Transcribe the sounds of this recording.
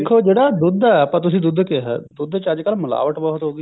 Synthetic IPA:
kʰːoːd͡ʒeːɽaːd̪ʊd̪ɛpãːt̪̬ʊsĩːd̪ʊd̪keɦɛ̰ːd̪ʊd̪t͡ʃəd͡ʒkəlmʊla̰ːʋəʈbɔːɦt̪ɦoːɡi

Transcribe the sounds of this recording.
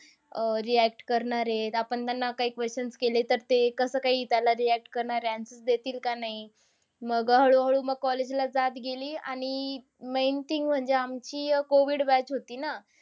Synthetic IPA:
əɾiæk̚ʈkəɾɳaɾet̪apəɳt̪anːakaɦiːkʋest͡ɕənskelet̪əɾt̪ekəsəːkaɦiːt̪alaɾiæk̚ʈkəɾɳaɾjansət͡sd̪et̪iːlkanaɦi | məɡɦəɭuɦəɭuːməɡ̚kɔled͡ʑlad͡zat̪ɡeliːaɽ̃i | mejnt̪iŋɡm̤əɳd͡zeamt͡ɕiːkoʋiːɽʋɛt͡ɕɦot̪iːna

